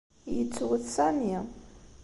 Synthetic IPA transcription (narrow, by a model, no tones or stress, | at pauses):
jət͡sːwəθsani